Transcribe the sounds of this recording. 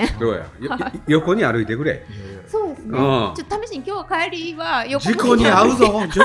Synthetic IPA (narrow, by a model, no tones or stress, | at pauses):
soːja̰jjoko̞ɲ̟iaɾɯ̟it̪e̞kɯ̟ɾḛsoːd̪esɨnɯ̃t͡ɕot̪ːot̪ʰameɕiɲkʲoːakaeɾiiβajod͡ʑiko̞ɲiaɯ̟zod͡ʑ